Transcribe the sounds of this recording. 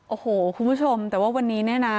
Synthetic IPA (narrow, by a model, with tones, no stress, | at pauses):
ʔoː˨˧˩hoː˨˩˦kʰu˧nbu˦˥˩t͡ɕʰo˧mt̪ɛː˨˩waː˥˩wa˧nːiː˦˥niː˥˩˨na˦˥